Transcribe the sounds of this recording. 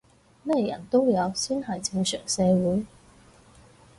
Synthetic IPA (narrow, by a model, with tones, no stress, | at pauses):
mɛː˥˩jɐ̰˨˩nt̪o˥wjɐ˨˧wsyː˥nhɐ˨˩jt͡sɪ˧ŋsœ̰ː˨˩ŋsɛː˨˧wuː˨˥j